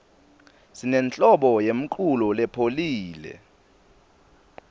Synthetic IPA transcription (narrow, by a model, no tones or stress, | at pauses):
sinɛnt͡ɬʼɔɓɔjem̩ǃʰulɔlɛpʰoliːlɛ̰